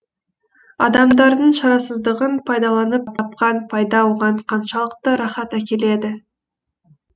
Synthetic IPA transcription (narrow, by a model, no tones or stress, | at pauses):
ɑ̰d̪ɑmd̪ɑɾd̪əɴʃɑɾɑsəzd̪əʁənpʰɑjd̪ɑlˠɑnəpt̪ʰɑp̚qɑnpʰɑjd̪ɑwˠʁɑɴqʰɑnʃɑlˠəqt̪əɾɑχɑt̪ækʲe̞le̞d̪ɪ